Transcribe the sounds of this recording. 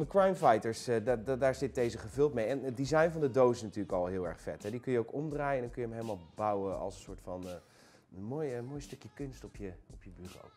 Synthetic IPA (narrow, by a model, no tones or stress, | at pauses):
ndəkrɑjmfɑjtəɹsddaːɹzɪt̚dejzəχəvɵlˠtmejɛnət̚dizɑjnvɑndədowɪsɪsnatyːɹləkɑlˠɦɪːlˠɛ̰ɹχfɛtɦɛdikɵnjəowkɔmdraːjəɛndɑnkɵnjəəmejləmaːlˠbɑwəɑ̰lˠsənsʊːɹtfɑn | moːjmoːjstɵkjəkɵnstɔpjəɔpjəbyro̰w